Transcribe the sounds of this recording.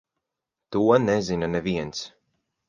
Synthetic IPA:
t̪uɔnɛzinanɛviɛns

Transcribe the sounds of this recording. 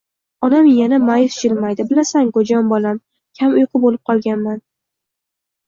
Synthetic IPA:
ɒnamjanamajɪft͡ʃɪlmajd̪ɪbɪlasaŋkod͡ʒɒmbɒlam | kʲʰamʊjqʰɨbolɪp̚qʰɒlˠɡʲanman

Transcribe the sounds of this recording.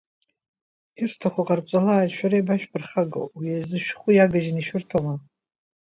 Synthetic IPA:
irtʰaχʷʊqʼart͡sʼalaːjʃᶣaɾajbaʃᶣpʰɨrχaɡo̰wwijazɨʃᶣχʷujaɡaʒɪniʃᶣʊrtʰawa

